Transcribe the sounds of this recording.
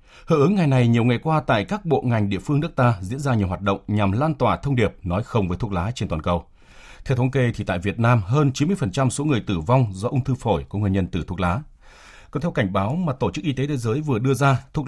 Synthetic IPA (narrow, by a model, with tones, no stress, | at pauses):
hə̰ː˧˩ʔɨ˨˦ŋːa˨˩jna˨˩jɲi˨˩əwŋa˨˩jkwaː˧t̪a̰ː˧˨jkaː˦˥k̚ɓo̰˧˨ŋa˨˩jŋ̟ɗḭ˧əfɨ˧əŋnɨ˦˥ək̚t̪aː˧zḭ˧˥ənzaː˧ɲi˨˩əwɦaː˨˩t̚ɗə̰˧˨wŋ͡mɲa˨˩mlaː˧nt̪waː˨˩t̪ʰə˧wŋ͡mɗi˨˩əp̚nɔ˨˦jxə˧wŋ͡mvəː˨˦jt̪ʰu˦˥k̚laː˨˦t͡ɕe˧nt̪waː˨nkə˨˩w | t̪ʰɛ˧wt̪ʰə˨˦ŋ͡mke˧t̪ʰi˨˩t̪a̰ː˧˨jvi˨˩ət̚naː˧mɦəː˧nt͡ɕi˨˦mɨ˧əjfə˨˩nt͡ɕa˧mso˨˦ŋɨ˨˩əjt̪ɨ˧˩va˧wŋ͡mzɔ˧ʔʊ˧ŋ͡mt̪ʰɨ˧fo˧˩jku˨˧˦ŋɨ˨˩nɲə˧nt̪ɨ˨˧˩t̪ʰu˦˥ək̚laː˨˦ | kɔ˨˦t̪ʰwka˧˩ŋ̟ɓaː˨˦wmaː˨˩t̪o˧˩t͡ɕɨ˦˥k̚ʔi˧t̪e˨˦t̪ʰe˨˦zəː˨˦jvɨ˨˩əɗɨ˧əzaː˧t̪ʰu˦˥